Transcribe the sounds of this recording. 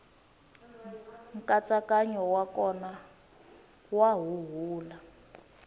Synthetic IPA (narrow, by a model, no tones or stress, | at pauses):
ŋ̩kat͡sakaɲɔwakɔna | waɦuɦuːla